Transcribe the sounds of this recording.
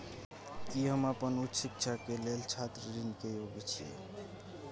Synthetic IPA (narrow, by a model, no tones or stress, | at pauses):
kiɦəmapənut̪ːsik̚t͡ʃʰakelelt͡ʃʰat̪ɾəɾinkejoɡɛt͡ʃʰiḛ